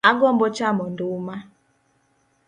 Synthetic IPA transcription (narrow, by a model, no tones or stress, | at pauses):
aɡɔm̩bɔt͡ʃamɔn̩dʊuma